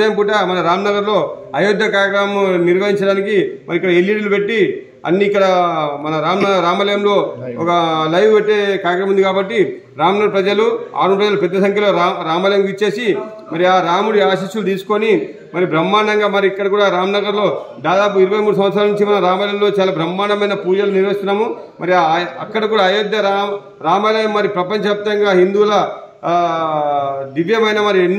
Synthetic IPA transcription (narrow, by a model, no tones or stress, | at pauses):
ɐjɐmpuʈɐmɐnɐɾaːmnɐɡɐɾlo̞ː | ɐjod̪ːɐkaːɾjɐkɾaːmniɾʋɐɦiɲt͡ʃɐɽaːnikimɐɾikːɐɽɐeliːʈlupe̞ʈːi | ɐ̰nːiːkːɐɽɐmɐnɐɾaːmɐɾaːmɐlɐjɐmlo̞ːɔkɐlɐjʋuʋeʈːeːkaːɾjɐkɾɐmund̪ikaːbɐʈːi | ɾaːmnɐɡɐɾpɾɐd͡ʒɐlua̰ːɾunpɾɐd͡ʒɐlupɛd̪ːɐsɐŋkʰjɐlo̞ːaɾaːmɐlɐjɐmkit͡ʃːe̞ːsi | mɐɾiaːɾaːmuɽiaːʃiːʃulut̪iːsu̥ko̞ni | mɐɾibɾɐmːaːɳɐŋɡaːmɐɾiikːɐɽɐkuːɽaːɾaːmnɐɡɐɾlo̞ːd̪aːd̪aːpuiɾuʋɐjmuːɽus̬ɐmɐt̪s̬ɾaːlɐnuɲt͡ʃimɐnɐɾaːmɐlɐmlo̞ːt͡ʃaːlaːbɾɐmːaːɳɐmɐjnɐpuːd͡ʒɐluniɾʋɐst̪unːaːmumɐɾiɐkːɐɽɐkuːɽaːjod̪jɐɾa | ɾaːmɐlɐjɐmːɐɾipɾɐpɐɲt͡ʃɐp̚t̪ɐŋɡaːɦind̪uːlɐ | d̪iʋjɐmɐjnɐmɐɾienː